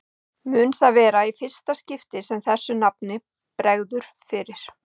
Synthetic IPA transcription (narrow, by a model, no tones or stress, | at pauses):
mʏːnθaðvɛːɾaifɪr̥st̪ascɪft̪ɪsɛmθɛsːʏnap̚nɪ | pɾɛɣðʏɾ̥ | fɪɾɪɾ̥